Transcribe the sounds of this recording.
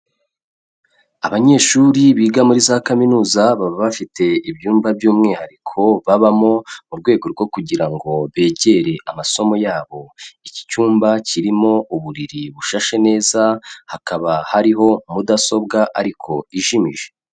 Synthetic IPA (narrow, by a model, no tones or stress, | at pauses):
aβaɲe̞ːʃuɾiβiːɡamuɾizaːkaminuːzaβaβaβafitʰe̞ibjuːmbabjuːmŋiːhaɾikʰo̞βaβamo̞muɾɡwe̞ːɡo̞ɾɡo̞kuɟiɾaŋɡo̞βe̞ːɟe̞ɾe̞ʔamaso̞mo̞jaːβo̞ici̥cuːmbaciɾimo̞uβuɾiɾiβuʃaʃe̞ne̞ːzahakaβahaɾiɦo̞mudaso̞b̚ɡaʔaɾikʰo̞iʒimiʒe̞